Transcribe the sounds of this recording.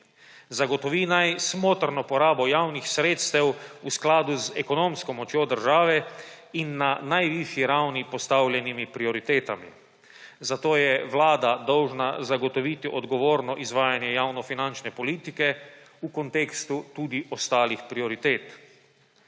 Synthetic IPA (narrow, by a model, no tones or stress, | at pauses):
zaɡɔt̪ɔʋinajsmoːt̪ɾnɔpɔɾaːbɔjawnixsɾeːt̪st̪ɛwusklaːd̪uzɛkɔnoːmskɔmɔt͡ʃjod̪əɾʒaːʋɛ | inːanajʋiʃjiɾawnipɔst̪awlʲjɛnimipɾiɔɾit̪eːt̪amḭ | zat̪oːjɛʋlaːd̪ad̪ɔwʒnazaɡɔt̪ɔʋiːt̪iʔɔd̪ɡɔʋoːɾnɔʔizʋaːjanjɛjawnɔfinant͡ʃnɛpɔliːt̪ikɛ | ukɔnt̪eːkst̪ut̪uːd̪iʔɔst̪aːlixpɾiɔɾit̪eːt̪